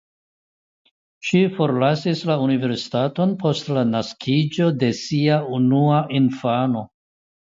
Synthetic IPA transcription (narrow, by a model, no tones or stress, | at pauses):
ʃifo̞ɾlasislaunive̞ɾsi̥tato̞npʰo̞stlanaskʰid͡ʒo̞de̞siaunuaʔinfano̞